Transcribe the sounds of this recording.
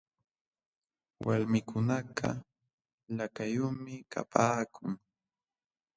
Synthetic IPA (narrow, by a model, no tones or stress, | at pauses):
walmɪkʰʊnaɢʰɑ̰ | lakajʊmɪka̰pʰaːkʰʊŋ